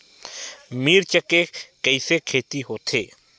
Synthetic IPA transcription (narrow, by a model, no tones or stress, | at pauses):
miɾt͡ʃəkekəɪsekʰeːt̪iɦoːt̪ʰeː